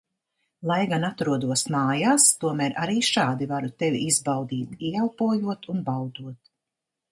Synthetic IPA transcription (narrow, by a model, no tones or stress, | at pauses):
lˠajɡanat̪ɾuɔd̪uɔsmaːjaːst̪uɔmæːɾʔaɾiːʃaːd̪ivaɾut̪ɛvḭizbawd̪iːt̪ialpuɔjuɔt̪unbawd̪uɔt̪̚